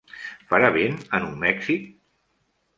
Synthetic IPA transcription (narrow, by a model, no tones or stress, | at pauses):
faɾaβenənummɛksik